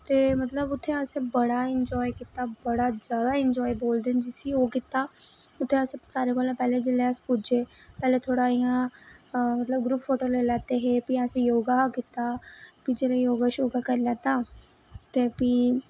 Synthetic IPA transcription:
t̪eːmət̪ləbʊt̪ʰːeːəsebəɽaːɪnd͡ʒɔːikɪt̪aːbəɽaːzjaːd̪aːɪɲd͡ʒɔːiboːld̪end͡ʒɪsiːoːkɪt̪aː | ʊt̪ʰːeəsesaːɾeːkoːlãːpɛːleːd͡ʒeːleːəspud͡ʒeːpɛːleːt̪ʰoːɽaːijãː | mət̪ləb̚ɡɾuːpʰfoːʈoːlelɛːt̪eːɦeːpiəsejoːɡaːkɪt̪aːpid͡ʒeːleːjoːɡaʃoːɡaːkəɾlɛːt̪aː | t̪eːpiː

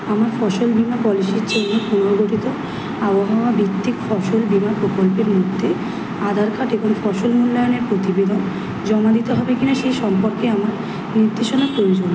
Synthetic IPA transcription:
amaɾfɔʃolbimapɔlisiɾt͡ɕenepunɾoɡoʈit̪o | abaɦaoabʱikt̪ːikfɔʃolbimapɾokolpeɾmod̪ʱːe | ad̪ʱaɾkʰaʈebʱonfɔʃolmulːajoneɾpɾot̪ibed̪on | d͡ʑɔmad̪it̪eɦɔbekinaʃejʃɔmpoɾkeamaɾ | niɾd̪ʱeʃonapɾojod͡ʑon

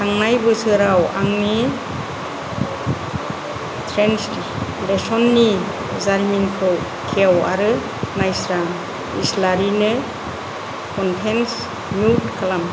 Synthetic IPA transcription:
taŋnajbɯsɯɾawa̰ŋni | tʰɾensti | lesɔnːi | zaɾminkʰɯw | kʰewa̰ɾɯ | najsɾaŋ | ḭslaɾinɯ | kʰɔnpʰens | mjutkʰalam

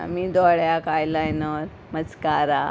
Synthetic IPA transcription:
a̰mid̪ɔɽjakajlajnɔɾ | mət͡skaɾa

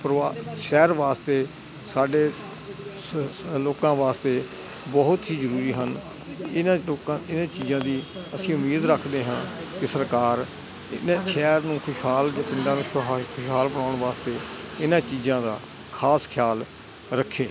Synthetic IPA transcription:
pɾʋaːʃɛːɾʋaːst̪eː | saːɖeː | loːkãːʋaːst̪eː | bɔɦʊt̪ɦiːzəɾuːɾiːɦən | ɪnãkaɪnãːt͡ʃiːzãːd̪iːəsĩːʊmeːd̪ɾəkʰd̪eːɦãːkɪsəɾkaːɾ | ɪ̰neːʃɛːɾnũːkʰʊʃɦaːld͡ʒpɪɳɖãːnũːkʰʊʃɦaːlbənaːʊɳʋaːst̪eːɪnãːt͡ʃiːzãːd̪aː | kʰaːskʰjaːl | ɾəkʰːeː

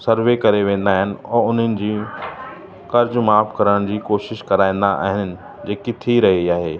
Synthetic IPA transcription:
sɐɾʋekɐɾeʋẽːn̆d̪aːɦɪnɪ̆ɔːʊn̤ənɪ̆d͡ʑiː | kɐɾd͡ʑmaːfkɐɾəɽ̃d͡ʑiːkoːʃɪʃkɐɾaːĩːn̆d̪aʔa̰ːɦɪnəɪ̆ | d͡ʑeːkɪt̪ʰiɾɐɦiaːɦeː

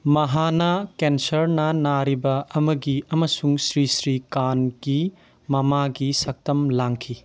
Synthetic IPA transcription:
mɐɦanɐkensɐɾnɐnaɾibɐɐmɐɡiɐmɐsuŋsɾisɾikanɡ̥i | mɐmaɡisɐk̚tɐmlaŋkʰi

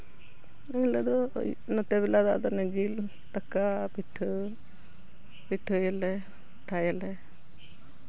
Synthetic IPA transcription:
əlɛd̪ɔ | nɔt̪ɛβɛlad̪a̰d̪ɔnɛd͡ʒil | t̪akapiʈʰə | piʈʰəjɛlɛ | ʈʰajɛlɛ

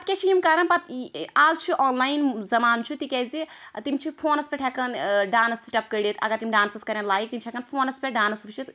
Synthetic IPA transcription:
pɐt̪kʲet͡ʃʰijimkɐɾɐnpɐt̪aːzt͡ʃʰiʔaːnlaːinzɐmaːnt͡ʃʰit̪ikɛzit̪imt͡ʃʰipʰoːnɐspʰʲeʈʰɛkɐnɖaːnsiʈɐp̚kɐjɖit̪ʰɐ̰ɡɐɾt̪imʲɖaːnsɐskɐɾʲɐnlaːjik̚t̪imt͡ʃʰɛkɐnpʰoːnɐspʰʲeɖaːnɐsbɨt͡ʃʰit̪

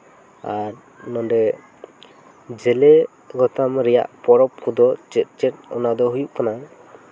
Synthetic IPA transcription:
aɾ | nɔnɖɛ | d͡ʒɛlɛ | ɡɔt̪ʰamɾɛja̰ʔpɔɾɔp̚kʰud̪ɔt͡ʃɛt̪̚ˀt͡ʃɛt̚ɔ̰nad̪ɔɦujuʔ̚kana

